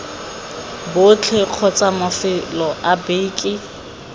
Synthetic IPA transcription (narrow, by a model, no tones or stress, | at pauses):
bʊt͡ɬʰeq͡χʰɔt͡sʼamafɪlɔʔabeːkʼɪ